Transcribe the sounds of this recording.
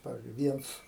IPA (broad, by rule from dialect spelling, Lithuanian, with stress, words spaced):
ˈpɑːʋʲɪzʲd͡ʒʲʊɪ ˈʋʲiɛnt͡s